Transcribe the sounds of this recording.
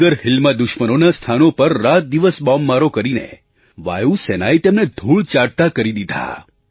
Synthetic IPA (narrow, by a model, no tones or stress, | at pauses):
əɾhɪlmad̪ʊʃmənonast̪ʰanopəɾːat̪̚d̪iʋəsbɔmːaɾokəɾinḛ | ʋa̰jusenajt̪emned̪ʱuɭt͡ʃaɽt̪akəɾid̪id̪ʱa̰